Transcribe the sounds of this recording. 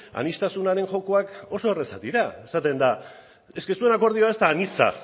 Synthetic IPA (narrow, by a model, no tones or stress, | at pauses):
a̰nist̪asunaɾe̞ŋʝo̞ko̞ako̞so̞e̞re̞sat̪iɾae̞sat̪e̞nd̪a | e̞ske̞sue̞nako̞ɾð̞io̞ae̞st̪aːnit͡sa̰